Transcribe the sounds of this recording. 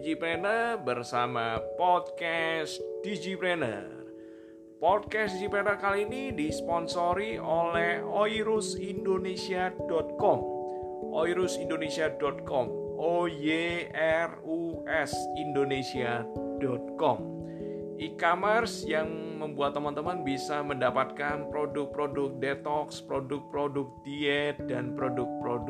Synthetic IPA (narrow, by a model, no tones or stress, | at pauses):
d͡ʒipɾɛnərrbərsamapɔd̚kɛsd̥id͡ʒipɾɛnə̰r | pɔd̚kɛsdid͡ʒipɾɛnərkaliːnidispɔnsoɾiʔolɛhoiɾʊsindonesiadɔt̪̚kɔm | ʔoiɾʊsindonesiadɔt̪̚kɔm | ʔojeɛr | uʔɛsindonesiad̥ɔt̪̚kɔm | ʔikamɛrsjaŋməmbuat̪ːəmant̪əmanbisaməndapat̪̚kanpɾodʊk̚pɾodʊk̚dɛt̪ɔkspɾodʊk̚pɾodʊk̚d̥iɛt̪̚danpɾodʊk̚pɾodʊ